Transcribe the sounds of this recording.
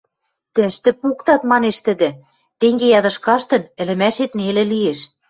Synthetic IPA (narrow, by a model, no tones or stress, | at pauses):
t̪ɘʃt̪ɘ̆pukt̪ɑt̪mɑneʃt̪ɘ̆d̪ɘ̆ | t̪eŋɡejɑd̪ɤ̆ʃkɑʃt̪ɤ̆nɘ̆lɘ̆mæʃet̪nelĕlieʃ